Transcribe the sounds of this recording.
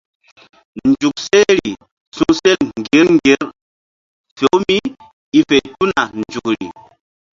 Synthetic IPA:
n˨d͡ʒu˨k̚sɛ˦ɾi˨ | sũ˦sɛ˦lŋ˨ɡe˨˦lŋɡe˦ɾ | fo˨˦mi˦ | i˦fe˨tu˦na˨n˨d͡ʒu˨kɾḭ˨

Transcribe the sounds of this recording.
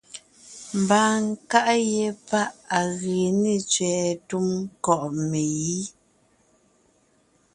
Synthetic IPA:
m̩˨baː˨ŋ˦ka˦ʔjɛ˨pa˦ʔa˨ɣe˨ne˨t͡sɥɛː˨tu˦mkɔ˦˨ʔme˨ji˦

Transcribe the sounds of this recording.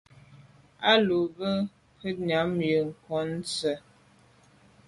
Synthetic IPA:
a˦lu˨bə˦ | hə˦na˨˦mjə˨ŋ̩˨kɔ˨˦n̩˦t͡sə˨

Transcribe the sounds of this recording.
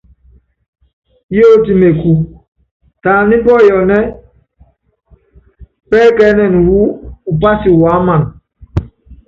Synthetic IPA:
jo˦˨ti˨me˨ku˨ | taː˨ni˦bɔ˦˨jɔ˨nɛ˦ | pɛː˦kɛ˦nɛ˨n˨wu˦u˨pa˦si˨wa˨˦ma˨n

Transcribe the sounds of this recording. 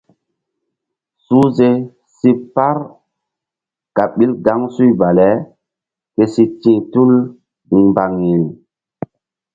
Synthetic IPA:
su˦ze˦ | si˦pa˦ɾ | ka˨ɓi˦lɡa˦ŋsu˦jba˨lɛ˨˦ | ke˦si˦tĩː˦tu˦l | ĩ˨mba˨ŋji˨l

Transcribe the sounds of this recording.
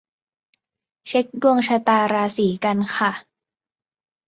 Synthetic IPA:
t͡ɕʰe˦˥k̚du˥˩əŋt͡ɕʰa˧t̪aː˧ɾaː˧siː˩˦ka˧nxʰa˥˩

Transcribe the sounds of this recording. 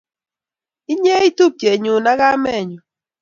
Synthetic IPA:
i˦ɲe˦i˦tu˦p̚t͡ʃe˨ɲʊ˨na˦ɡa˦mɛ˦˨ɲu˨

